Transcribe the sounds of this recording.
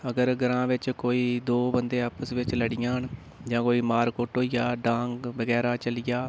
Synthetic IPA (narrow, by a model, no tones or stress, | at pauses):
əɡəɾɡəɾãːʋɪt͡ʃkoːiːd̪oːbənd̪eːaːpəsʋɪt͡ʃləɽɪjãːɦn | d͡ʒãːkoːiːmaːɾkoːʈɦoːijaːɖãːŋkʋəɡɛːɾaːt͡ʃəlɪjaː